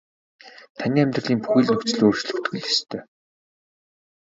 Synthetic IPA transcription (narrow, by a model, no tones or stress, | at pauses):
t̪ʰanʲiːæmʲt̪rə̆ɮiːŋpu̥xiːɮnɵkʲt͡sɘ̆ɮoːrt͡ɕɮɵ̆xt̪ɡɘ̆ɮe̥st̪ʰœː